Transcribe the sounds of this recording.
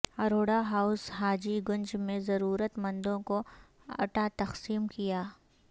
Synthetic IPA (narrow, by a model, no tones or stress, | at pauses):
ɐɾoːɽaɦaʊsɦaːd͡ʒiɡʊ̃nd͡ʒmẽzɐɾuːɾət̪mɐ̃nd̪õko | ɐ̰ʈat̪ɐqsiːmkijaː